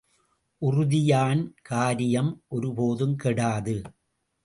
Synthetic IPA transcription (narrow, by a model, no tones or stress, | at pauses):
ʔʊrʊðɪjaːnkaːɾɪjɐmʔɔɾɯpoːðɯmkɛɽaːðɯ